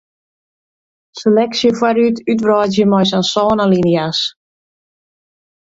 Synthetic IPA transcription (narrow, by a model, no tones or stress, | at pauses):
selɛksjəfwaɾytytʋrɔːtjəmɔjsansɔːnalinjas